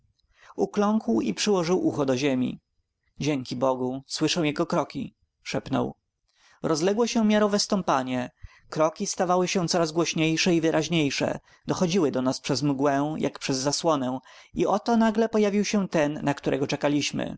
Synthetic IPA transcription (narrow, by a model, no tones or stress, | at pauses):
uklɔŋkwḭpʂɘwɔʐɘwʔuxɔd̪ɔʑemʲḭ | d͡ʑeŋkʲibɔɡuswɘʂɛw̃jɛɡɔkɾɔkʲi | ʂɛpnɔ̰w | ɾʔɔzlɛɡwɔɕɛmʲjaɾɔvɛst̪ɔmpaɲɛ | kɾɔkʲist̪avawɘɕɛ̃t̪sɔɾazɡwɔɕɲejʂɛivɘɾʔaʑɲejʂɛ̰ | d̪ɔxɔd͡ʑiwɘd̪ɔnaspʂɛzmɡwɛ̃jʔa̰kpʂɛzːaswɔnɛ̃iɔt̪ɔnaɡlɛpɔjavʲiwɕɛ̃t̪ɛnːakt̪uɾɛ̰ɡɔt͡ʂɛkalʲiɕmɘ̰